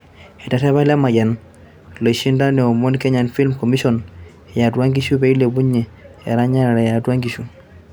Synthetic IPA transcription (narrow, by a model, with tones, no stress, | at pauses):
ɛ˨ta˨tɛ˦βa˦la˦ma˨ɟa˨n | lə˨ʃi˦nda˦nɛ˨o˨mo˦nkɛ˦ɲa˨nfi˦lmko˨mi˦so˦n | ja˨dwa˦ŋɡi˦ʃu˦be˨i˦le˨bu˦ɲːɛ˨ | ḛ˨ɾa˦ɲa˦na˨ɾe˨ja˨dwa˦ŋɡi˨ʃu˨